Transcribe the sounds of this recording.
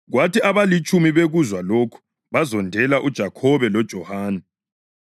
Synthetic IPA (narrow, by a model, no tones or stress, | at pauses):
ɣwatʰiʔaβalit͡ʃʼumiβeɣuzwalokʰu̥ | βazɔndʱɛlaʔud̥ʒ̥ʱakʰɔβɛlɔd̥ʒ̥ʱɔhaːnɛ